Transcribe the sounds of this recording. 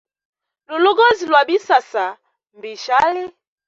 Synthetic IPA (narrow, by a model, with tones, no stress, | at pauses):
lu˨lɔ˦ɡɔ˦zi˨lwa˨bi˦sa˨sa˨ | mbi˨ʃa˦li˦